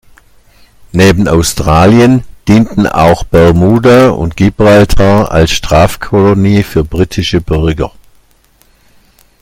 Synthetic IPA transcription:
neːbn̩a̰ʊstʁ̥aːljənd̥iːntn̩a̰ʊxb̥ɛʁmuːdaʊ̰ntɡ̥ibʁaltʰaa̰lsʃtʁ̥aːfkʰɔloniːfyːɐbʁitʰɪʃəbʏʁɡɐ

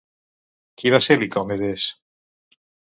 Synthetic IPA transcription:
kiβaselikomeðes

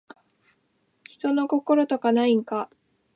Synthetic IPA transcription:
çi̥t̪o̞no̞ko̞ko̞ɾo̞t̪o̞kanaiŋka

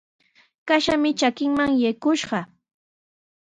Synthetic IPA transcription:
kaʃamɪt͡ʃakɪŋmaŋjajkʊʃɢɑ

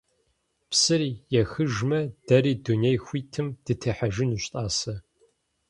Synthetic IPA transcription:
psɨɾiːjɛxɨʒmɐd̥ɐɾiːdunejxʷiːtʰɨmd̥ɨtʰɐħɐʒɪnuɕtʼaːsɐ

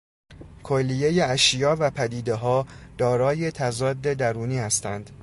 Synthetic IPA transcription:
kʰolːije̞jeæʃjɒːvæpʰæd̪iːd̪e̞ɦɒːd̪̥ɒːɾɒːje̞t̪ʰæzɒːd̪ːe̞d̪æɾuːniːhæst̪ænd̪̥

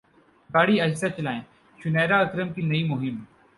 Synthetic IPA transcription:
baːɽiɐɦsat͡ʃlaːẽ | ʃʊnɛːɾaɐkɾəmkinɐiːmʊɦɪm

